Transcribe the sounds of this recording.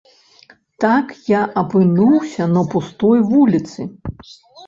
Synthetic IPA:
t̪akjaʔɐpɨnuwsʲɐnɐpust̪ɔjvulʲit̪sɨ

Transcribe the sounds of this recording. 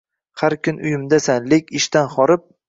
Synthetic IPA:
haɾkʰʲʊnʊjɪmd̪asanlekʲɪʃt̪anχɒɾɪp̚

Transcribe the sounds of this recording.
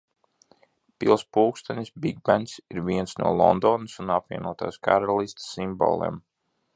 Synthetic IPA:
pilˠspuːkst̪anʲisbiɡ̚bant̪siɾviɛnsnṵɔlˠɔ̰nd̪ɔnɨsunapviɛnuɔt̪a̰ːskaɾalˠist̪simbo̰ːlˠḛːm

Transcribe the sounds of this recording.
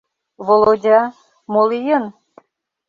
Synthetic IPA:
βolˠodʲɑ | molijən

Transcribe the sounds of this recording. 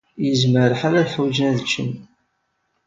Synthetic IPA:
jəzməɾəħaɾæðħwd͡ʒnæðt͡ʃːən

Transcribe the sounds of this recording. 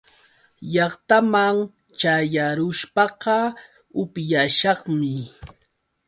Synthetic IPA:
jɑχt̪amaŋ | t͡ʃajaɾʊʃpɑqɑ | ʊpjaʃɑχmɪ

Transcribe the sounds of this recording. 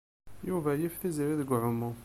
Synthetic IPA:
juvæjifθizɾiðəɡʕʊmʊ

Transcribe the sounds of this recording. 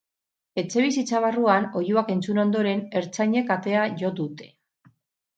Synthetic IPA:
e̞t͡se̞β̞isit͡saβ̞aruano̞juake̞nt͡suno̞nd̪o̞ɾe̞ne̞ɾt͡saɲe̞kat̪e̞aʝo̞d̪ut̪e̞̥

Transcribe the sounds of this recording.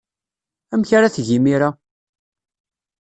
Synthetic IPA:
æmçɾaθʝimiɾa

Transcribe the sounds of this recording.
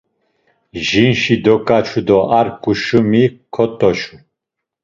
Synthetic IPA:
ʒinʃid̪ɔkʼat͡ʃʰud̪ɔʔaɾkʼuʃumikʰɔt̪ʼɔʃu

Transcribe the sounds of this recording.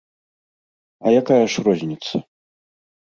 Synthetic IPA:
ɐjakajɐʂrɔzʲnʲit̪sɐ

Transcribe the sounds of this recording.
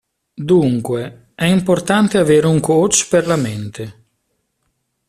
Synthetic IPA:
d̪uŋkwe | ɛimport̪ant̪eaveːɾuŋkot͡ʃperlament̪e

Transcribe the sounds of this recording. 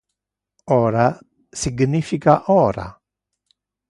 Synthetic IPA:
ɔːɾa | siɡnifikaʔɔːɾa̰

